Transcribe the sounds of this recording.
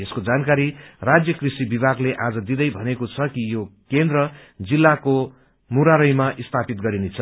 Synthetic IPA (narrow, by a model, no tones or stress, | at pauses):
eskod͡zankaɾirad͡zjʌkrisibibʱaɡleʔad͡zʌd̪id̪ʌjbʱʌnekot͡sʰʌkijokend̪rʌd͡zilːako | muɾaɾʌjmaʔist̪ʰapit̪ɡʌɾinet͡sʰʌ